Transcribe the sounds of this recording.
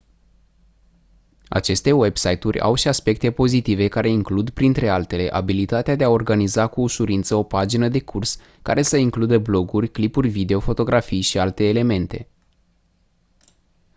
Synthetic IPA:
a̰t͡ʃe̞st̪e̞we̞bsajt̪urʲa̰wʃiaspe̞k̚t̪e̞po̞zit̪ive̞kaɾe̞iŋklud̪pɾint̪ɾe̞alt̪e̞le̞ʔa̰bilit̪at̪ead̪eao̞rɡanizakuːʃuɾint̪səo̞pad͡ʒinəd̪e̞kʰurs | ka̰ɾe̞səiŋklud̪əblo̞ɡurʲklipurʲvid̪e̞o̞fo̞t̪o̞ɡɾafijʃialt̪e̞ːle̞me̞nt̪e̞̰

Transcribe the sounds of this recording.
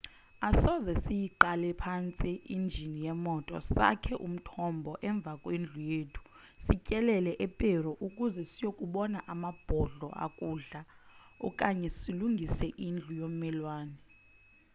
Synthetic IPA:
asɔzɛsijiǃalɛpʰant͡sʼiind͡ʒʱinijɛmɔtʼɔ̰sa̰kʰɛʔṵm̩tʰɔmbʱɔʔɛɱb̪vʱakʼwend͡ɮʱujeːtʰu̥ | sicʼɛlɛlɛʔɛpʼɛrɔʔukʼuzɛsijokʼuɓɔnaʔamab̥ʱɔɮɔ̰ʔa̰kʼuːɮaɔ̰kʼaɲɛsiluŋɡʱisɛʔind͡ɮʱujom̩mɛlwaːnɛ

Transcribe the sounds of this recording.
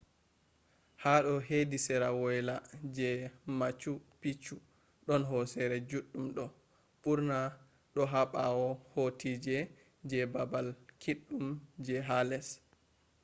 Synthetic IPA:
haɗɔhedisɛɾawɔjlad͡ʒɛmat͡ʃupit͡ʃːu | ɗɔnɦɔsɛɾɛd͡ʒuɗːumɗɔ | ɓuɾna | ɗɔɦaɓawɔhotʰid͡ʒɛ | d͡ʒɛbabalkʰiɗːumd͡ʒɛɦalɛs

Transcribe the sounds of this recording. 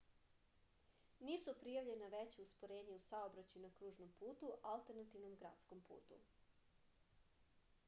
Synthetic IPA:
niːsupɾijaʋʎe̞naʋet͡ɕeuspoɾeːɲeusaobɾat͡ɕjinakɾuːʒnompuːt̪uʔalt̪eɾnat̪iʋnomɡɾa̰t̪skompṵːt̪ṵ

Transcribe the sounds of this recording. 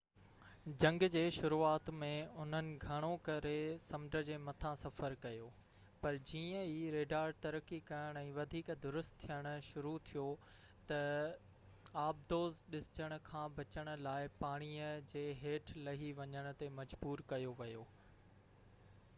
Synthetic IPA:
d͡ʑɐ̃ŋɡd͡ʑeːʃʊɾuaːt̪mẽʊn̤ənɪ̆ɡʱɐɽ̃okɐɾesɐmɖəd͡ʑeːmɐt̪ʰãsɐfəɾkɐjoː | pɐɾd͡ʑiːə̃iːɾeːɖaːɾt̪ɐɾəkːikɐjəɽ̃ɛ̃ːʋɐd̪ʱiːkd̪ʊɾʊst̪t̪ʰːijəɽ̃ʊ̆ʃʊɾut̪ʰijo | t̪ɐ | aːb̚d̪oːzɗɪsɪ̥t͡ɕəɽ̃ʊ̆kʰãːbɐt͡ɕəɽ̃ʊ̆laːɪpaːɽ̃iːəd͡ʑeːɦeːʈʰlɐɦiʋɐɲəɽ̃ʊ̆t̪emɐd͡ʑbuːɾkɐjoʋɐjoː

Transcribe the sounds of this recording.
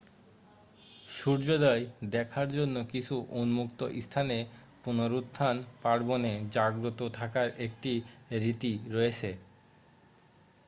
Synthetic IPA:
ʃuɾd͡ʑod̪aed̪ɛkʰaɾd͡ʑonːokit͡ɕʰuʔunmukt̪oʔist̪ʰane | punoɾud̪ʰʱːanpaɾboned͡ʑaɡɾot̪ot̪ʰakaɾek̚ʈiɾit̪iɾoet͡ɕʰe

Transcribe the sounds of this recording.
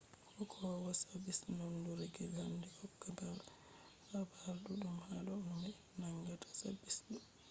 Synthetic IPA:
kɔkʰɔwwasabisnɔnduɾɛɡɛlandɛɔkːataɾ | habaɾɗuɗumhalɔnmi | naŋɡatʰḁsabisɗu

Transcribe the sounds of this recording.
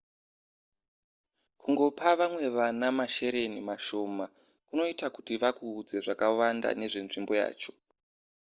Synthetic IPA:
kʰuŋɡo̞paʋamwe̞ʋanamaʃe̞ɾe̞nimaʃo̞ːma | kuno̞itakutiʋakuːd͡ze̞ʐakawanda̰ne̞ʐe̞nʐimbo̞ja̰ːt͡ʃo̞̥

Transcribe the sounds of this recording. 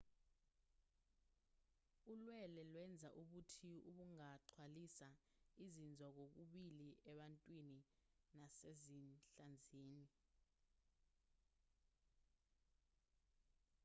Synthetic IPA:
ulwɛlɛlwɛnd͡zʱaʔuɓutʰiuɓuŋaǀʰwalisa | izind͡zʱɔk̬ok̬uɓiliʔɛɓantʼwininasezinɬand͡zʱeːni

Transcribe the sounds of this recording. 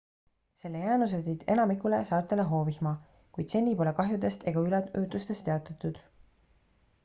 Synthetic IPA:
se̞lːejæːnus̬et̪id̪̥e̞̰nɑmikːule̞sɑːrt̪ˑe̞leɦo̞ːvihmɑ | kujd̪se̞nʲːipo̞le̞kɑɦjud̪e̞st̪e̞ɡ̥ɑylɛøːt̪ˑust̪e̞st̪eɑt̪ːˑɑt̪ːˑud̪̥

